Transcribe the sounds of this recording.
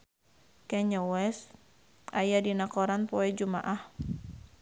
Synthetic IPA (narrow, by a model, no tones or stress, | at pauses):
kɛɲɔwɛs | ajadinakɔɾanpɔɛd͡ʒuma̰ʔah